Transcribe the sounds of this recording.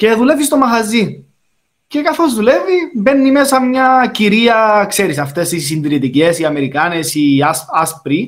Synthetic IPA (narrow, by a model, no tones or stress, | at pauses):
ce̞ðule̞vist̪o̞mɐɣɐzi | ce̞kɐθo̞zðule̞vibe̞nːimesɐmɲɐciɾiɐkseɾisɐft̪e̞st̪isːind̪ɾit̪ice̞siɐme̞ɾikɐne̞siɐsɐspɾi